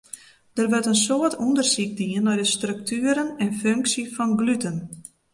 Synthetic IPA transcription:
d̥ərʋətənsoətʰɔndərsik̚diənːɔjdəstrøk̚tʰyəɾənɛnføŋksifɔnɡlytən

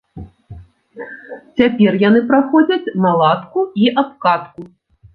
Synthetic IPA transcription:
t͡sʲapʲɛrjanɨpɾaxɔd͡zʲɐt͡sʲnalˠat̪kuiʔapkat̪ku

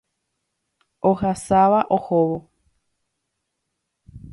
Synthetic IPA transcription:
ohasaʋaʔohoʋo

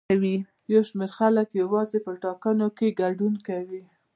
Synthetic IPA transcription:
wi | jawʃmeɾxaləkjawɑzepəʈɑkanokeɡaɖunkawi

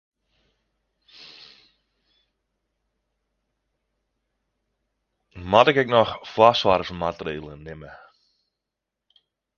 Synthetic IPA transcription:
matɪkɛknɔxflasʋaːɾəfənmatəreːlˠənɪmə

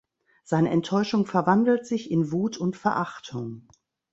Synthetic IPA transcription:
z̥aɪnəʔɛntʰːɔʏʃʊŋfɛɐvandl̩tz̥ɪçɪnvuːtʰʊntfɛɐʔaχtʰʊŋ

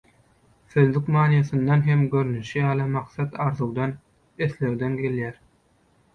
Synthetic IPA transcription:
θø̞ðlykmɑːnjɑθɯnd̪ɑnɦe̞mɡø̞ɾynyʃijɑːlˠɯmɑqθɑt̪ɑɾðuwd̪ɑn | eθle̞wd̪enɡe̞ljæːɾ

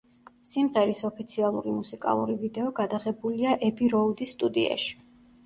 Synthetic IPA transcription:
simʁɛɾisɔpʰit̪sʰialˠuɾimusikʼa̰lˠṵɾivid̪ɛɔɡad̪aʁɛbuliaʔɛpʰiɾɔud̪isːt̪ʼud̪ia̰ʃi̥

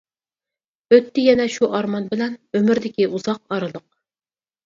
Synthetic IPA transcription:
øt̪ːɪjɛnɛʃuʔɑɾmɑnbɪlɛnømyɾd̪ɪkʲiuzɑq̚ɑɾɨlˠəq̚

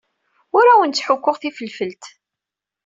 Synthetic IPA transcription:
ʊɾæwənt͡s̪ːħʊkʷːʊʁθifəlfəlt̪

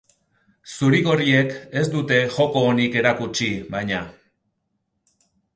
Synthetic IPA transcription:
suɾiɣo̞rie̞ke̞zd̪ut̪e̞ʝo̞ko̞ːnike̞ɾakut͡ʃiβajɲa

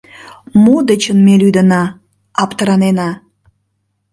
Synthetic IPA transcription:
mud̪ət͡ɕənmelyd̪ənɑː | pt̪əɾɑnenɑ

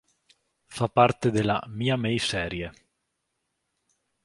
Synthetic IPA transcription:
fapːart̪ed̪elːa̰miːamɛjsɛːɾje

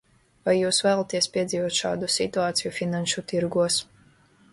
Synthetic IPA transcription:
vajːuːsvæːlˠat̪iɛspʲiɛd̪ziːvuɔt̪ʃa̰ːd̪usit̪uaːt̪sijufʲinãnʃut̪iɾɡuɔs

